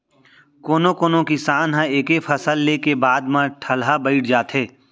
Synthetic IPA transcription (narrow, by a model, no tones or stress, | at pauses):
koːnokoːnõkisaːnɦãeːkefʰɐsəlːekebaːd̪mãʈʰɐlɦabəɪʈʰd͡ʒaːt̪ɦeː